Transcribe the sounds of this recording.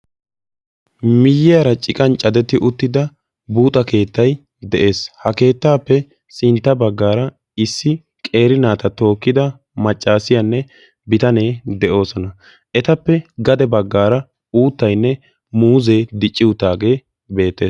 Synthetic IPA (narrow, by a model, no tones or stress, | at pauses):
mɪjːɪɐɾɐt͡ʃʼɪkʼɐnt͡ʃʼɐd̪ɛt̪ːɪʔʊt̪ːɪd̪ɐ | buːt̪ʼɐke̞ːt̪ːɐj | d̪ɛʔe̞ːshɐke̞ːt̪ːaːpːɛ | sɪnt̪ːɐbɐɡːaːɾɐ | ɪsːɪ | kʼe̞ːɾɪnaːt̪ɐt̪o̞ːkːɪd̪ɐ | mɐt͡ʃʼːaːsɪjanːɛ | bɪt̪ɐne̞ːd̪ɛʔo̞ːsɔnɐ | ʔɛt̪ɐpːɛɡɐd̪ɛbɐɡːaːɾɐ | uːt̪ːɐjnːɛ | muːze̞ːd̪ɪt͡ʃʼːɪwʊt̪ːaːɡe̞ː | be̞ːt̪ːe̞ːs